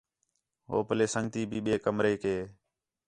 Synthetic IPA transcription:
ɦo̰ːpəleːsəŋɡt̪iːbʱiːɓeːkəmɾeːkeː

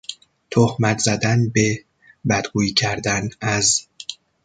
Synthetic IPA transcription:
t̪ʰohmæt̪ʰzæd̪ænbe | bæd̪ɡuːicʰæɾd̪ænæz

